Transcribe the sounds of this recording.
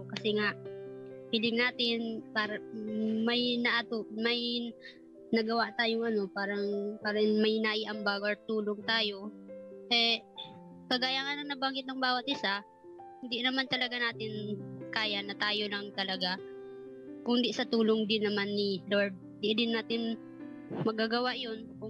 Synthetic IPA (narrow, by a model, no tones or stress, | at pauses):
kɐsɛŋaʔpiːlɪŋnaːt̪ɪnpaːɾɐmɐjnɐʔat̪oʔmɐj | nɐɡɐwaʔt̪aːjoŋɐno̞paːɾɐŋpaːɾɐnmɐjnɐʔiʔɐmbaɡoɹt̪uːloŋt̪aːjo̞ʔɛ | kɐɡaːjaŋɐnɐnːɐbaːŋɪt̪lɐŋbaːwɐt̪̚ʔɪsa | hɪnd̪iʔnɐmant̪ɐlɐɡanaːt̪ɪnkaːjanɐt̪aːjolɐŋt̪ɐlɐɡa | kʊŋnd̪iʔsɐt̪uːloŋd̪ɪnːɐmanːɪloɹd̪̚ɪd̪iʔd̪ɪnːaːt̪ɪn | mɐɡaɡɐwaʔjo̞nkʊ